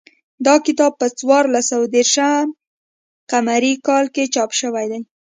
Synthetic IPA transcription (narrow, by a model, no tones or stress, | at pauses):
d̪ɑkɪt̪ɑb̚pət͡swɑɾlasawad̪eɾʃəm | qamaɾikɑlket͡ʃɑpʃəwajd̪aj